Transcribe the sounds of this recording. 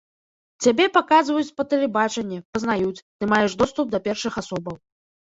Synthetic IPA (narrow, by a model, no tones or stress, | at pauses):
t͡sʲabʲɛpakazvɐjut͡sʲpɐt̪ɛlʲɛbat͡ʂɛnʲːɛpɐznajut͡sʲt̪ɨmajɛʂd̪ɔst̪up̚d̪ɐpʲɛrʂɨxasɔbɐw